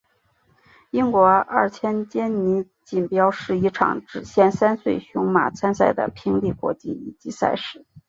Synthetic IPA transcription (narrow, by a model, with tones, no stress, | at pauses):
i˥ŋkwɔ˧˥a̰˥˩t͡ɕʰjɛ˥nt͡ɕjɛ˥nni˧˥ | t͡ɕi˨˩npjɑ˥ʊʂɻ̩˥˩i˧˥ʈ͡ʂʰɑ̰˨˩ŋʈ͡ʂɻ̩˨˩ɕjɛ˥˧nsa˥nswe˥˩ɪɕʊ˧˥ŋma̰˨˩t͡sʰa˥nsa˥˩ɪd̪ə̰˩pʰi˥ŋli˥˩kwɔ̰˧˥t͡ɕḭ˥i˨˩t͡ɕi˧˥sa̰˥˧ɪʂɻ̩˥˩˥